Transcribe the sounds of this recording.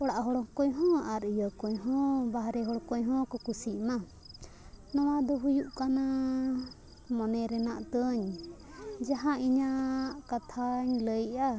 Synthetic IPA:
ɔɽaʔɦɔɽɔkɔɲɦɔ̃aɾijəkɔɲɦɔ̃baɦɾɛɦɔɽkɔɲɦɔ̃kɔkusiʔma | nɔwad̪ɔɦujuʔkana | mɔnɛɾɛna̰ʔt̪əɲ | d͡ʒaɦãʔiɲaʔkat̪ʰaɲləja

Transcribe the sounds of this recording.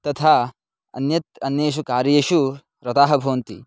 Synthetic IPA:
t̪ɐt̪ʰaː | ɐ̰njɐt̪ɐnjeːʃ̬ukaːɾjɐjeːʃu | ɾɐt̪aːɦɐbʱɐʋɐnt̪ḭ

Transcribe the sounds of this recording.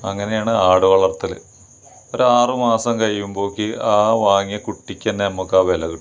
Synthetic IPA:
ɐŋːɐne̞jaːɳɨaːɽɨʋɐɭɐrt̪ːil̰ | o̞ɾuaːrɨmaːsɐmkɐɻijːumbo̞ːkːiaːʋaːŋijɐkuʈːikʲːenːeɐmːukːaːʋelɐɣu

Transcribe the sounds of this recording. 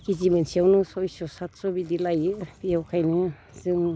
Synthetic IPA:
kizimɯnsiawnɯsɔjsɔsatsɔbidilajɯbiawkʰajnɯ | z̥ɯŋ

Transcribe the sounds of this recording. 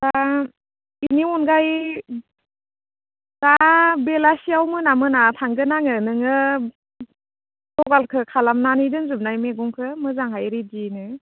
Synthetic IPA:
ta | iniɔnɡaj | tabelasiawmɯnamɯnatʰaŋɡɯnaŋɯnɯŋɯ | dɔɡalkʰɯkʰalamnanidɯnzum̚najmeɡɔŋkʰɯmɯzaŋɦajɾidinɯ

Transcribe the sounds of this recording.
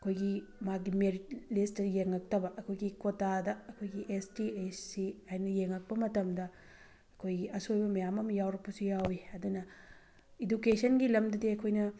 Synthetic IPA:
ɐkʰojɡimaɡimeɾitlistɐjeŋɐk̚tɐbɐʔɐkʰojɡikotadɐɐkʰojɡiʔestiesiajnɐjeŋɐk̚pɐmɐtɐmdɐ | ɐkʰojɡiɐsojbɐmɐjamɐmjawɾɐpːɐsujawiɐdunɐ | idukesɐnɡilɐmdɐdiɐkʰojnɐ

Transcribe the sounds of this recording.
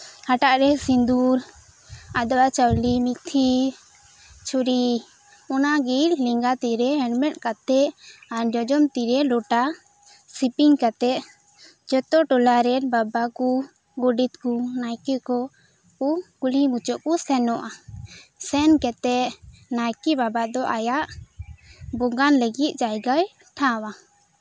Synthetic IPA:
haʈaʔɾɛsind̪uɾ | ad̪ɔʔat͡ʃawlimit̪ʰi | t͡ʃʰuɾi | ɔnaɡiɾliŋɡat̪iɾɛɛɖmɛʈkat̪ɛʔaɾd͡ʒɔd͡ʒɔmt̪iɾɛlɔʈa | sipiŋkat̪ɛʔ | d͡ʒɔt̪ɔʈɔlaɾɛnbabaku | ɡɔɖit̪̚kunajkikɔ | uɡulimut͡ʃɔʔkusɛnɔʔa | sɛnkɛt̪ɛʔnajkibabad̪ɔʔajaʔ | bɔɡanləɡit̪̚ˀt͡ʃajɡaj | ʈʰãwa

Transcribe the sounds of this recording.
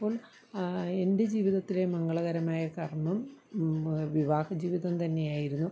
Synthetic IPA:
pːo̞ːɭ | e̞nde̞d͡ʑiːʋiðɐt̪ːile̞mɐŋɡɐɭɐɣɐɾɐmaːjɐkɐrmɐm | ʋiʋaːhɐd͡ʑiːʋiðɐmt̪ɐnːe̞jaːjiɾunːu

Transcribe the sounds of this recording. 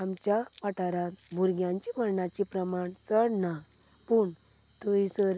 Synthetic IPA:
amt͡ɕjapaʈaɾãt̪bʱuɾɡjãɲt͡ɕiməɾɳat͡ɕipɾəmaɳt͡səɽna | puɳ | t̪uisəɾ

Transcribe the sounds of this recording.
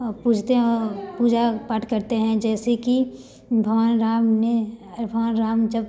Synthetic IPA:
puːt͡ʃʰt̪eɦɔːɾpuːd͡ʒapəʈʰkɐɾt̪eɦɛ̃d͡ʒɛːseki | bʱɐʋaːnɾaːmnebʱɐʋaːnɾaːmd͡ʒɐb

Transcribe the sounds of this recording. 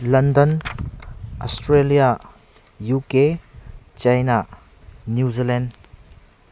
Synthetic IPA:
lɐndən | ʔɔstɾelija | juke | t͡ʃɐjna | njuzilɛnd

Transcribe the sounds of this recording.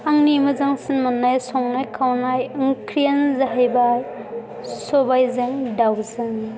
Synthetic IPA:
aŋnimɯzaŋsɯnmɯnːajsɔŋnajkʰawnajɯŋkʰɾianzaɦajbaj | sɔbajzeŋdawzɯŋ

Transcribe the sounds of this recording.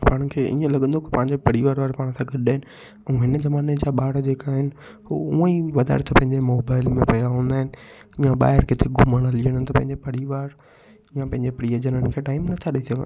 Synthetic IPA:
paːɽ̃kʰeːʔiə̃lɐɡə̃nd̪okepɐ̃ɦɪ̃ɲd͡ʑepɐɽiʋaːɾʋaːɾepaːɽ̃sãɡɐɗaːɪnɪ̆ | ɛ̃ɦɪnəzɐmaːned͡ʑaːɓaːɽd͡ʑeːkaɦɪnɪ̆ | ɦouə̃iʋɐd̪a̰ːɾt̪ʰɐpɐ̃ɦɪ̃ɲd͡ʑemoːbaːɪlmẽpɐd̪aɦũːnd̪aːɦɪnɪ̆jãɓa̰ːɪɾkɪt̪ʰeɡʊməɽ̃əliəɽ̃t̪ɐpɐ̃ɦɪ̃ɲd͡ʑepɐɽiʋaːɾ | jãpɐ̃ɦɪ̃ɲd͡ʑepɾiəd͡ʑənənɪkʰeːʈaːɪmnɐt̪ʰaɗɐit̪ʰiʋa̰

